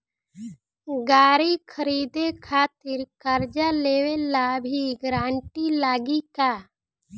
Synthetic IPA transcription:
ɡaːɾikʰəɾiːd̪ekʰaːt̪ɪɾkəɾd͡ʒaleːwelabʱiɡɾãːɳʈilaːɡikaː

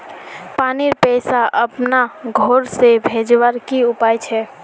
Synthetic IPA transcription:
paːniɾpɛsaʔəpnaɡʱoɾsebʱed͡ʒwəɾkiʊpaːjt͡ʃʰɛ

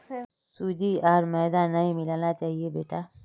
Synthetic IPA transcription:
suːd͡ʒiaːɾmɛːd̪anːɐɦĩmɪlaːnat͡ʃaːɦiebeːʈaː

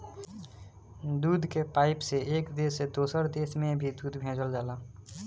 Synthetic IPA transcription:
d̪uːd̪ʱkepaːɪpseʔeːkd̪eːsed̪oːsəɾd̪eːsmẽbʱid̪uːd̪ʱbʱẽːd͡ʒəld͡ʒaːlaː

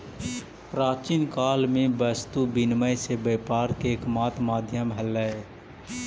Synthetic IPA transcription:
pɾaːt͡ʃinkaːlmẽbəst̪ubɪnməjsebeːpaːɾkeːkmaːt̪maːd̪ʱjəmɦəlːəe

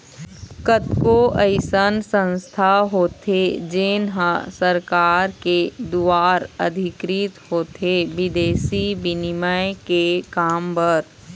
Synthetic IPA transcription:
kət̪koʔəɪsənsə̃nst̪ʰaɦoːt̪ed͡ʒeːnɦə̃səɾkaːɾked̪uaːɾə̰d̪ʱɪkɾit̪ɦoːt̪eʋɪd̪eːsibɪnɪməjkekaːmbəɾ

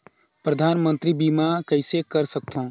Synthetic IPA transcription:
pɾəd̪ʱaːnmə̃nt̪ɾibiːmakəɪsekəɾsək̚t̪ʰõ

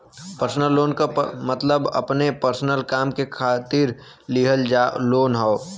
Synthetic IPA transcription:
pəɾsnəlːoːnkamət̪ləbə̰pnepəɾsənəlkaːmkekʰaːt̪iɾ | liɦəld͡ʒaːloːnɦɔo

